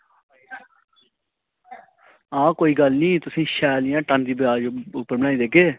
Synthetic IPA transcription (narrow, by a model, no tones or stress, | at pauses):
ãːkoːiːɡəlnĩːt̪ʊsĩːʃɛːlɪjãːʈə̃nd̪iːbjaːd͡ʒʊpːəɾbəɽaːĩːd̪eːkeː